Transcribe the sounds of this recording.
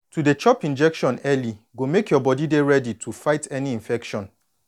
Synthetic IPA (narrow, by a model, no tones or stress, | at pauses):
tudet͡ʃɔpĩnd͡ʒɛkʃɔ̃nɛliɡomekjɔbɔdideɹɛditʰufaɪtʰɛniĩɱfɛkʃɔ̃n